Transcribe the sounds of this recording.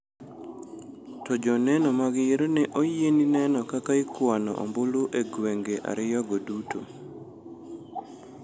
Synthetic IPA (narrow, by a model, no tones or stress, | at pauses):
tɔd͡ʒɔnɛnɔmaɡɪeɾonɛʔojeninɛnɔkakaɪkwanɔ̰ʔo̰mbʊluʔeɡweŋɡeʔa̰ɾɪjɔɡoduto̰